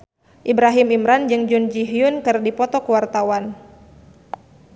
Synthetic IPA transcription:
ʔibɾaɦimimɾand͡ʒɨŋd͡ʒund͡ʒiɦiʊnkɨrdipɔt̪ɔkuwart̪awan

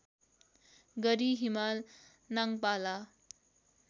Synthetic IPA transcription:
ɡʌɾiɦimal | naŋpala

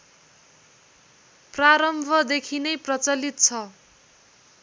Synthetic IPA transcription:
praɾʌmbʱʌd̪ekʰinʌjprʌt͡sʌlit̪̚t͡sʰʌ

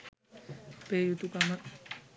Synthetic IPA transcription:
pejut̪ukama

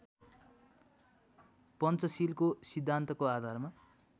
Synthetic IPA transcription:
pʌnt͡sʌsilkosid̪ʱːant̪ʌkoad̪ʱarma

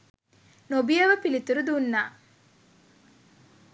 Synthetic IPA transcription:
nobijəʋəpilit̪uɾud̪unːaː

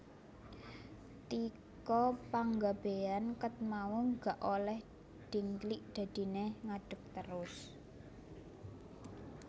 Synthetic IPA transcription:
t̪i | kɔpaŋɡab̥e̤ankət̪̚mauŋɡaʔolɛh | ɖ̪̥i̤ŋkliʔd̪̥ä̤d̪̥i̤neŋaɖ̥ə̤k̚t̪əɾʊs

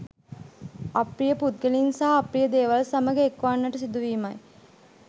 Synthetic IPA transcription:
apɾijəput̪̚ɡelinsaːprijəd̪eːʋalsaməɡeːkʋanːəʈəsid̪uʋiːmɐj

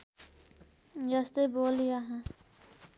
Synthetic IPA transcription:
jast̪eboːlɪjaɦɛ̃ː

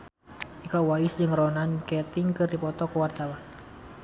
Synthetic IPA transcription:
ʔikawaɪsd͡ʒəŋɾɔnankɛt̪ɪŋkɨrdipɔt̪ɔkəwart̪awan

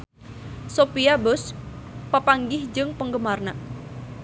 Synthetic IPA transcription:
sopiabɔspəpaŋɡɪhd͡ʒɨŋpəŋɡəmarna

